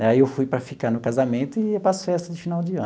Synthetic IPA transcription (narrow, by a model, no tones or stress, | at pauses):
ɛaiewfujpɾɐfikanʊkazamẽnt̪ʊɪpasfɛst̪ɐzd̪ɪfinawd͡ʒɪɐ̃